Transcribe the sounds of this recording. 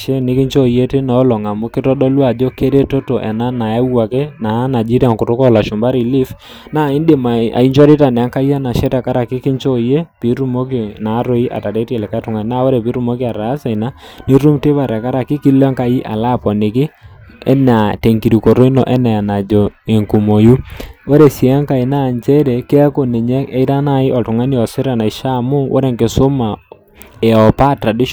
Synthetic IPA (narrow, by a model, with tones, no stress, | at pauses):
ʃɛ˦nɪ˦kɪ˦ɲt͡ʃɔ˦je˦te˦nɔ˨˦lɔ˨ŋa˨mʊ˦kɪ˦tɔ˦dɔ˦lwa˨d͡ʒo˦ke˦ɾe˦to˦to˨ʔɛ̰˨na˦na˨ja˦wa˨ke˦na˨˦na˨d͡ʒi˦ɾja˨ŋkʊ˨tʊ˦kɔ˦˨la˨ʃʊ˨mba˦ɾi˨li˦f | na˦˨ɪ˦nde˨ma˨a̰˨i˦ɲt͡ʃɔ˦ɾɪ˦ta˨nɛ˨a˦ŋka˦ja˦na˨ʃɛ˦tɛ˨ka˦ɾa˨kɪ˦kɪ˦ɲt͡ʃɔ˦je˦pi˨˦ɾu˦mo˦kɪ˨na˨˦ɾo˦i˦ʔa̰˨ta˨ɾe˦te˨lɛ˨ka˦tʊ˨ŋa˨na˦wo˦ɾɛ˨pi˨˦ɾu˦˨mo˦kɪ˦a˨ɾaː˨˦sa˨i˨na˦ni˦ɾu˦mte˦βa˨ɾɛ˨ka˦ɾa˨kɪ˦ki˦lɛ˦ŋka˦ji˦ʔa˨la˦pɔ˨nɪ˨kɪ˦ɛ̰˦na˨te˨ŋki˨ɾi˨ko˨ɾo˦i˦nɔ˨ʔɛ˦nɛ˨na˨d͡ʒɔ˨e˨ŋku˨mo˨ju˦wɔ˦ɾe˨si˨a˦ŋka˨i˨na˦˨ɲt͡ʃɛ˦ɾɛ˨kɪ˦ɛ˦ko˨nɪ˨ɲɛ˦ɛ˦ɪ˦ta˦na˦˨ɪ˦ʔɔ˨tʊ˨ŋa˦ni˦ɔ˨sɪ˦ɾa˨na˨ɪ˨ʃa˦mʊ˦wʔɔ̰˦ɾe˨ŋkɪ˨sʊ˦ma˨ | ɛ˨ɔ˨pa˦˨tɾa˨di˦ʃ